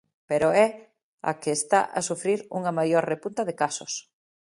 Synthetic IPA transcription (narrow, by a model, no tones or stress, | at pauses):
peɾoɛ | a̰keːst̪a̰ʔa̰sufɾiɾṵŋɐmajoɾrepunt̪ɐðekasʊs